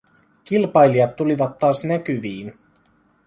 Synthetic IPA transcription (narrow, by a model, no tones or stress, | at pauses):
kilpɑjliɑt̪ːuliʋɑt̪ːɑːsnæk̟yʋiːn